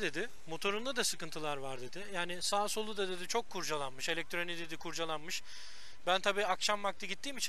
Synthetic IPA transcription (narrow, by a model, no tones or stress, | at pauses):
d̪e̞d̪ɪ | mo̞t̪ʰo̞ɾund̪ad̪asɯkɯnt̪ʰɯlˠaɾvaɾd̪e̞d̪ɪjaːnɪsaːso̞lˠud̪ad̪e̞d̪it͡ʃʰo̞kʰːuɾd͡ʒalˠanmɯʃe̞lʲɛc̚t̪ʰɾo̞nid̪e̞d̪ikʰuɾd͡ʒalˠanmɯʃ | bænt̪ʰabiːakʃamvakt̪ʰˠɯɟit̪ːiːmit͡ʃʰi